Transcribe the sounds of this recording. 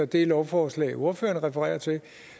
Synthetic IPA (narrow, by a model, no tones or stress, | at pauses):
ɒd̥e̝lɒʊfɒːslɛ̰ːɪo̝ɐfø̰ːɐnʁɛfəʁɛ̰ːɐt͡sʰe